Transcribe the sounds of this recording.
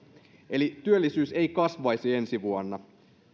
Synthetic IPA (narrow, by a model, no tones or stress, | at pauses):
elit̪yølːisyːse̞jkɑsʋɑjsie̞nsiʋuonːɑ